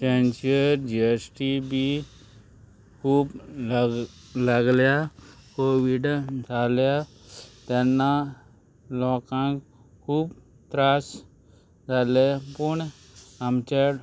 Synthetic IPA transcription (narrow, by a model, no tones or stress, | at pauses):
t͡ʃẽnt͡ʃəɾd͡ʒiesʈibʱi | kʰuːb | ləɡljakoːʋiɖtaːlja | t̪ɛnːa | lɔːkãːk | kʰuːb | t̪ɾaːs | d͡ʒalepuɳ | əmt͡ʃe